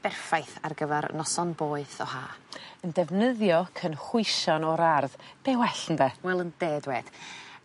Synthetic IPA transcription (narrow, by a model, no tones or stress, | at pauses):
b̥ɛrfajθa̰rɡəvɛɾ̰nɔsɔnboːɨθɔhaːəndɛvnəðjɔkʰənχʊɨʃɔnɔɾarðb̥ɛwɛɬən̩dɛwɛlˠənd̥eːdwɛːd̥